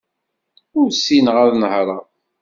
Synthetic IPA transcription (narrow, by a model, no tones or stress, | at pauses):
ʊɾsinʁaðnəhɾˤɑ